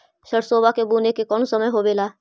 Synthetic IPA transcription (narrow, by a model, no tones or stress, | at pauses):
ʃəɽsoːbakebuːnekekɔːnsɐməjɦobeːlaː